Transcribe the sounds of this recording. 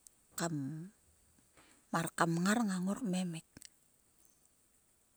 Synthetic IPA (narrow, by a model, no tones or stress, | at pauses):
kam | aɾkamŋaɾŋaŋokmemik̚